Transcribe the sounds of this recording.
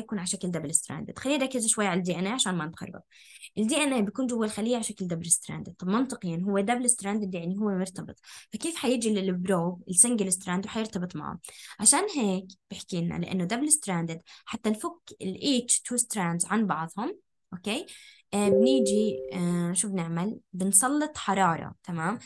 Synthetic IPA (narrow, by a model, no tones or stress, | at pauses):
jakuːnʕaʃakld̪abɪlɪst̪ɾa̰ːnd̪ɪ̰d̪xalːiːnɾɑkːɪzʃwajːʕalad̪iːʔanʔeːʕaʃaːnmanɪt̪xɑ̰rˤːɑ̰t̪̚ˤ | ʔɪld̪iːʔanʔeːbjakuːnd͡ʒʊwːalxalːɪjːaʕaʃakld̪ablɪst̪ɾa̰nd̪ɪd̪̚t̪ˤɑbmʊnt̪ˤɨqiːnɦʊwːed̪ablɪst̪ɾaːnd̪ɪd̪jaʕniɦʊwːemʊɾt̪ɑbɨ̰t̪ˤfakeːfħajɪd͡ʒillbɾoːbɪlsɪŋɡɪlɪst̪ɾand̪wħajɪɾt̪ɑbɨt̪ˤma̰ʕa̰mʕaʃaːnɦeːkb̥ɪħkiːnːa̰lɪʔa̰nːod̪ablɪst̪ɾand̪ɪd̪ħat̪ːanfʊkːɪlʔiːt͡ʃt̪ʰuːst̪ɾand̪zʕanbɑʕðˤhʊm | ʔokeːʔbniːd͡ʒi | ʃuːfbnɪʕmalbɪnsˤɑlːɨt̪ˤħɑɾˤɑːɾˤɑ̰t̪amaːm